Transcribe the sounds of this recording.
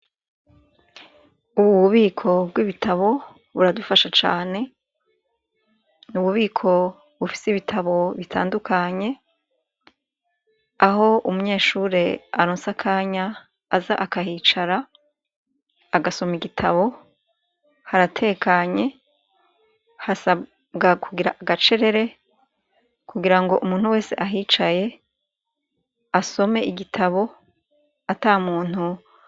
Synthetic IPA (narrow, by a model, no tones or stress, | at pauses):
uβuβuβiːkʰo̞bɡwiβitʰaβo̞ | βuɾadufaʃat͡ʃa̰ːne̞ | nuβuβiːkʰo̞ | βufi̥siβitʰaβo̞βitʰa̰ːndukʰaɲe̞ | aɦo̞umuɲe̞ːʃuːɾe̞a̰ɾoːnsakʰaːɲaː | za̰ʔakaɦiːt͡ʃaɾa | ɡaso̞miɡitʰa̰βo̞ | haɾatʰe̞ːkaɲe̞ | hasa | bɡakʰuɡiɾaʔaɡat͡ʃe̞ɾe̞ɾe̞ | kʰuɡiɾaŋɡo̞ʔumuːn̥uwe̞ːse̞̰ʔaɦiːt͡ʃaje̞ | aso̞me̞ʔiɡitʰaβo̞ | ataːmuːn̥hu